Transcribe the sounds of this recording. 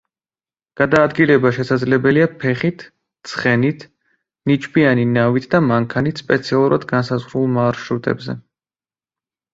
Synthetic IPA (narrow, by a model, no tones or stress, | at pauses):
ɡ̥ad̪aːd̪ɡilɛbaʃɛsad̪zlɛbɛliapʰɛχit̪ʰ | t̪sʰχɛnit̪ʰ | nit͡ʃʼbianinavit̪ʰd̪amaŋkʰanit̪ʰspʼɛt̪sʰialˠuɾad̪ɡansazʁɾulˠmaɾʃɾut̪ʼɛ̰bzɛ̰